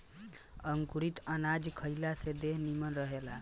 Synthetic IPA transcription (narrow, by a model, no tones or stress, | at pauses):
əŋkuɾit̪ənad͡ʒkʰəjlased̪eɦnimənɾəɦela